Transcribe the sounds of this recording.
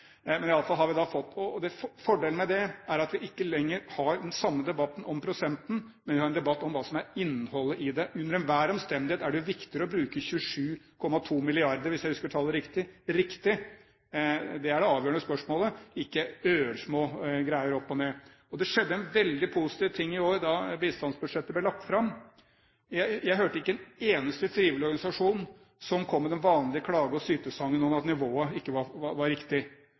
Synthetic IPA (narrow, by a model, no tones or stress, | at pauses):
mɛnɪɑlːəfɑlɦɑɾʋɪd̪ɑfɔt̪ːɔd̪ɛfɔɖeːlnmɛd̪ɛæɾɑt̪ʋɪʔɪkːəlɛŋːəɾhɑɾd̪ɛnsɑmːəd̪ɛbɑt̪ːn̩ɔmpʰɾʊsɛnt̪n̩ | mɛnʋɪhɑɾɛnd̪ɛbɑt̪ːɔmʋɑːsɔmæɾɪnːhɔlːəʔɪd̪ɛʔʉnːəɾɛnʋæːɾɔmst̪ɛnd̪ɪheːt̪æɖʉʋɪkt̪ɪɾɔbɾʉːkəçʉʂʉːkʰɔmːɑt̪ʰuːmɪlɪɑɾd̪əɾʋɪsjæɪhʉskəɾt̪ʰɑːləɾɪkt̪ɪɾɪkt̪ɪ | d̪ɛæɖɛɑːʋjøːəɳəspœʂmoːləɪkːəøːəɾʂmoːɡɾæɪəɾɔpːɔneː | ɔd̪ɛʂɛd̪ːəɛnʋɛld̪ɪpʰʊsɪ̥t̪ʰiːʋt̪ʰɪŋːɪoːɾd̪ɑbiːst̪ɑnsbʉd̪ʂɛt̪ːəblɛlɑk̚t̪fɾɑmː | jæɪjæɪɦøːʈəɪkːəɛneːnəst̪ət̪ʰɾiːʋəlɪɔɾɡɑnɪsɑʂuːn | sɔmkʰɔmːɛd̪ɛnʋɑːnlɪəkʰɽɑːɡəɔsyːt̪əsɑŋːənːoːnɑt̪nɪʋoːəɪkːəʋɑʋɑɾɪkt̪ɪ